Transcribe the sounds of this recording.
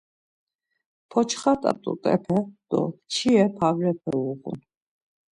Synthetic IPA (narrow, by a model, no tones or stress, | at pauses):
pʰɔt͡ʃʰχat̪ʼa̰t̪ʼṵt̪ʼɛ̰pʰɛd̪̥ɔ̰t͡ʃʰiɛpʰavɾɛpʰɛ̰uqṵn